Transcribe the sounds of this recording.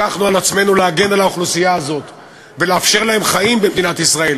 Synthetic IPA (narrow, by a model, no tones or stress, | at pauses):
aχnualat͡sme̞nuleaɡe̞nalaoχlusijaːzo̞t̪ | ve̞leafʃe̞ʁlahe̞mχaimbemd̪inat̪isʁae̞l